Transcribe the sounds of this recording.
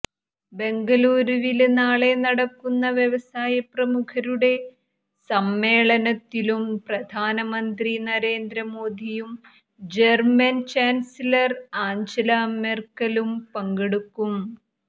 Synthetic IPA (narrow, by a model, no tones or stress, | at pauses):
be̞ŋɡɐluːɾuʋilnaːɭe̞nɐɽɐkːunːɐʋjɐʋɐsaːjɐprɐmukʰɐɾuɽe̞ | sɐmːe̞ːɭɐnɐt̪ːilumprɐd̪ʱaːnɐmɐnd̪rinɐɾe̞ːnd̪ɾɐmoːd̪ʱijum | d͡ʑermɐnt͡ɕaːnsilɐraːɲd͡ʑɐlɐɐmerkɐlumpɐŋɡeɽukːum